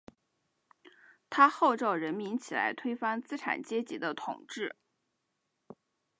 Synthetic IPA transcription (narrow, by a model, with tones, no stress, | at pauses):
t̪ʰa˥xo˥˧ʊʈ͡ʂo˥˩ʊɻə˧˥nmi˧˥nt͡ɕʰi˨˩la̰˧˥ɪt̪ʰwe˥ɪfa˥ŋt͡sɹ̩˥ʈ͡ʂʰa̰˨˩nt͡ɕjɛ˥t͡ɕi˧˥d̪ə˧t̪ʰʊ̰˨˩ŋʈ͡ʂɻ̩˥˩